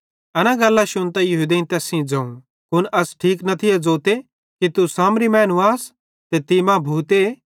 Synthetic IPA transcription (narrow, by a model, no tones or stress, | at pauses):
ɐnãɡɐlːaʃʊnt̪ajɐɦuːd̪ent̪ɛːsĩd͡zɐ̃ːũ | kʊnɐsʈʰiːknɐt̪ʰɪed͡zoːt̪e | kit̪usaːmɾimɛ̃ːnuaːs | t̪et̪imãbʱuːt̪e